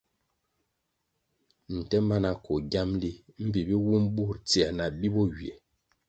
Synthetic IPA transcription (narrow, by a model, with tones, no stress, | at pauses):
n̩˨tɛ˦ma˦na˨kɔ˨ɡja˦mli˦m̩˦bi˨bi˦wu˦mbu˦˨ɾt͡si˨a˨na˨bi˦bɔ˦wje˨